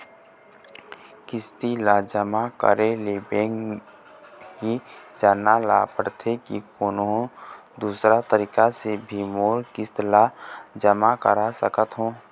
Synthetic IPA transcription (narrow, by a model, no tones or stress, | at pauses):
kɪst̪ilaːd͡ʒəmakə̰ɾeleːbeːŋ | ɦid͡ʒaːnala̰pəɽt̪ʰekikoːnõ | d̪uːsɾat̪əɾiːkasebʱimoːɾkɪst̪lad͡ʒəmakəɾasəkət̪ɦõː